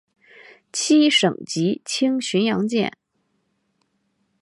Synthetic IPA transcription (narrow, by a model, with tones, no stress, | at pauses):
t͡ɕʰi˥ʂɤ˨˩ŋt͡ɕi˧˥t͡ɕʰi˥ŋɕy˧˥njɑ˧˥ŋt͡ɕjɛ̰˥˩n